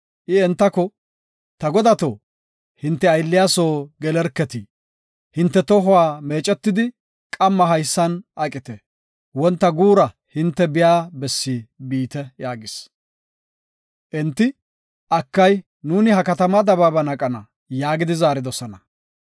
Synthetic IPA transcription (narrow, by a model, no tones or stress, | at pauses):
ʔɪɛnt̪ːɐkɔ | t̪ɐɡɔd̪ɐt̪oː | hɪnt̪ːɛɐjlːɪjaːsoːɡɛlɛɾkːɛt̪ɪ | hɪnt̪ːɛt̪ɔɦʊwaːme̞ːt͡ʃʼɛt̪ːɪd̪ɪ | kʼɐmːɐɦɐjsːɐnʔɐkʼːɪt̪ɛ | wɔnt̪ːɐɡuːɾɐ | hɪnt̪ːɛbɪjaːbɛsːibiːt̪ɛjaːɡɪs | ʔɛnt̪ːɪ | ʔɐkːɐj | nuːnɪɦɐkɐt̪ɐmɐd̪ɐbabɐnɐkʼɐnɐ | jaːɡɪd̪ɪzaːɾɪd̪ɔsɔnɐ